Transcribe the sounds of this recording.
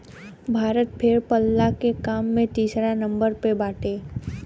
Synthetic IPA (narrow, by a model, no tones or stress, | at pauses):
bʱaːɾət̪̚pʰɪɾpəlːakekaːmːẽt̪iːsɾanɐ̃mbəɾpebaːʈeː